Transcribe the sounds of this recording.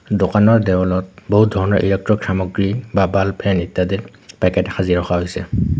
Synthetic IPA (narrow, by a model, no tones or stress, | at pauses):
dokanɔɹdɛwɔlɔt̚boɦut̚dʱɔɹɔnɔ̰ɹʔḭlɛk̚tɹɔkʰɹamɔɡɹibabalpʰɛnitːadiɹ | pɛkɛtxʰaziɹɔxaɦojsɛ̰